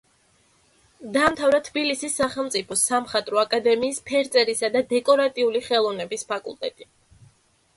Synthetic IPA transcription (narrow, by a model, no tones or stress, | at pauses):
d̪aːmt̪ʰavɾat̪ʰbilisisːaχɛlˠmt̪sʼipʰɔsamχat̪ʼɾɔakʼad̪ɛmiːspʰɛɾt̪sʼɛɾisad̪ad̪ɛkʼɔɾat̪ʼiuliχɛlˠɔvnɛbispʰakʼṵlˠt̪ʼɛt̪ʼi